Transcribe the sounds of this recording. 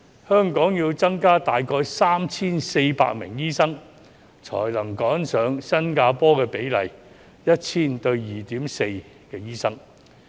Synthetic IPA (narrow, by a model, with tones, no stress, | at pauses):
hœː˥ŋkɔː˨˥ŋjiː˧wt͡sɐ˥ŋkaː˥t̪aː˨jkɔː˧jsaː˥mt͡sʰiː˥nse˧jpa̰ː˧k̚mɪ̰˨˩ŋjiː˥sɐ˥ŋ | t͡ʃʰɔ̰ː˨˩jlɐ˨˩ŋkɔː˨˥nsœː˨˥ŋsɐ˥nkaː˧pɔː˥kɛː˧pe˨˥jlɐ̰˨˩j | jɐ˥t̚t͡sʰiː˥nt̪ɵ˧ɥjiː˨t̪iː˨˥mse˧j | kɛː˧jiː˥sɐ˥ŋ